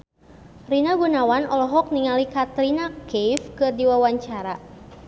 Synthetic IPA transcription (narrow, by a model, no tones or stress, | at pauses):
rinaɡunawanɔlɔɦɔk̚niŋalikat̪ɾinakefkɨrdiwawaɲt͡ʃaɾa